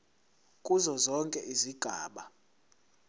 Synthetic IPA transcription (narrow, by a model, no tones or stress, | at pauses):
kʼuzɔzɔŋkʼɛʔiziɡ̥ʱaːɓa